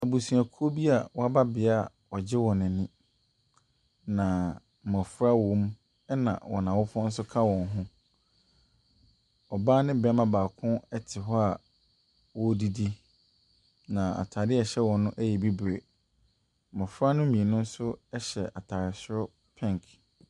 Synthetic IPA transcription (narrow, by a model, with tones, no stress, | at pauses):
a˨bu˨su˨a˨kʰo˦bi˦a˨wɔ˦a˦ba˦bɪ˨a˦˨ | ɔ˨d͡ʑɪ˦wɔ̃˨nɪ̃˨nɪ̃˦ | nã˨ | mɔ̃˨fʊ˦ɾa˦wɔ̃˦m | ɛ˦nã̰˨wɔ̰˨nã˨wɔ˦fɔ̃˦n̩˦sʊ˦kʰa˦wɔ̃˨n˦ɦʊ̃˦ | ɔ˨baː˦nɪ̃˦˨bɛ˦mã˦baː˨kʰʊ̃˦ɛ˦tʰɪ˨ɦɔ˦a˨ | wɔ˦di˦di˦ | nã˨a̰˨tʰaː˨dɪ˦ɛ˨ɕɛ˦wɔ̃˨nʊ̃˦ʔæ˦jɛ˨bi˦bɾe˨ | mɔ̃˨fʊ˦ɾa˦nʊ̃˦mĩ˨e˨nʊ̃˦n̩˦sʊ˦ɛ˦ɕɛ˨ʔa˨tʰaː˨ɾɪ˨sɾɔ˦ | pʰɛ̃˦ŋ˨k